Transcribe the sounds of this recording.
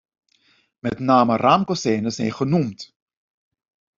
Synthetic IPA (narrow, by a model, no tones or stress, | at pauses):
mɛtnaːməraːmkosɛːnəsɛ̰jnχənumt